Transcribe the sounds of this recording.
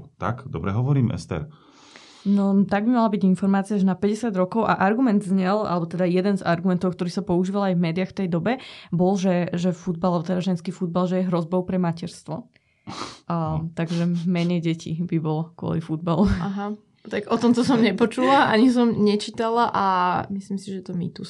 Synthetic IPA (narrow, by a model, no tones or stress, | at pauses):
t̪a̰kd̪ɔbɾɛɦɔʋɔɾiːmʔɛ̰st̪ɛ̰ɾ | nɔt̪aɡ̚bimalabiɟinfɔɾmaːt͡siaʒɛnapɛɟɛsɪad̪ɾɔkɔʊʔaʔaɾɡumɛnd̪zɲɛlʔa̰lɛbɔt̪ɛd̪ajɛd̪ɛnzaɾɡumɛnt̪ɔʊkt̪ɔɾiːsapɔuʒiːʋalajvmɛːd̪iaxft̪ɛjd̪ɔbɛbɔlʒɛʒɛfud̪̚balalɛbɔt̪ɛd̪aʒɛnskiːfud̪̚balʒɛjɛɦɾɔzbɔʊpɾɛmacɛɾst̪ʋɔ | t̪aɡʒɛmɛɲɛjɟɛcʰḭbibɔlkʊɔ̰lifud̪baluaɦa | t̪aɡɔt̪ɔmt̪ɔsɔmɲɛpɔt͡ʃulaʔaɲis̬ɔmɲɛt͡ʃiːt̪alaʔamislimsiʒɛt̪ɔmḭt̪us